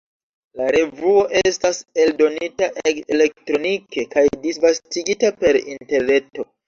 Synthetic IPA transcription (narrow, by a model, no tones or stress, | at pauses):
laɾe̞vuo̞ʔe̞stase̞ldo̞nitaʔele̞ktɾo̞nike̞kajdisvastiɡitape̞ɾḭnte̞ɾne̞to̞